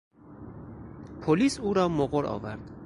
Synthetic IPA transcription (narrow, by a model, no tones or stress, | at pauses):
pʰoliːsuːɾɒːmoɣoɾʔɒ̰ːvæɾd̪